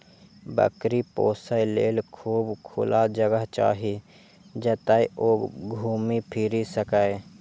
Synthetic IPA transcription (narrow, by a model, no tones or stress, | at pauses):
bə̰kɾipo̰ːsəjleːlkʰuːbkʰʊ̰lad͡ʒəɡəɦt͡ʃa̰ːɦi | d͡ʒət̪aiʔoːɡʱuːmipʰiɾisəkae